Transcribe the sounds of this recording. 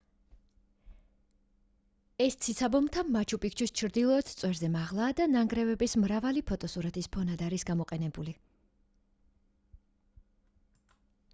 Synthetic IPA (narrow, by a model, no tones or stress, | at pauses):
ɛst̪sʰit̪sʰabɔmt̪ʰamːat͡ʃʰupʼik̚ʰt͡ʃʰwist͡ʃʰɾd̪ilˠɔːt̪t̪sʼwɛɾzɛmaʁlˠaːd̪anaŋɡɾɛvɛbismɾavalipʰɔt̪ʼɔsuɾat̪ʰispʰɔnad̪aɾisɡamɔqʼɛnɛbuli